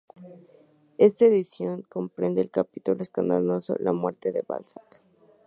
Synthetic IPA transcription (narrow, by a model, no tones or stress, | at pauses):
e̞st̪aeðisjo̞ŋkompɾend̪eːlkapit̪uloeskand̪alo̞so̞̰lamwe̞ɾt̪eðeβa̰lsak